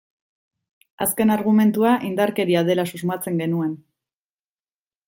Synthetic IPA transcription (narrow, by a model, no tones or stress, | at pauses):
a̰ske̞naɾɣ̞ume̞nt̪uaʔind̪aɾke̞ɾiað̞e̞lasuzmat͡se̞ŋɡe̞nue̞n